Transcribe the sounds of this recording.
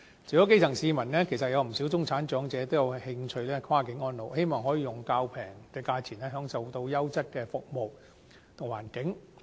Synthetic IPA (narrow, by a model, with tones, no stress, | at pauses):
t͡sʰiː˨˩kɔ˨˥k̬e˥jt͡sʰɐ˨˩ŋsiː˨˧mɐ˨˩nlɛː˥kʰe˨˩sɐ˨t̚jɐ˨˧wm̩˨˩siː˨˥wt͡sʊ˥ŋt͡sʰaː˨˥nt͡ʃœː˨˥ŋt͡sɛː˨˧t̪o˥wjɐ˨˧whɪ˧ŋt͡ʃʰɵ˧ɥlɛː˥kʰwaː˥kɪ˨˥ŋɔː˥nlo˨˧whe˥jmɔː˨ŋɦɔː˨˥jiː˨˧jʊ˨˩ŋkaː˧wpʰɛː˨˩ŋkɛː˧kaː˧t͡sʰiː˨˩nɛː˥ɦœː˨˧˥ŋsɐ˨wt̪o˧wjɐ˥wt͡sɐ˥t̚kɛː˧fʊ˨k̚mo˨w | t̪ʰʊ˨˩ŋwaː˨˩nkɪ˨˥ŋ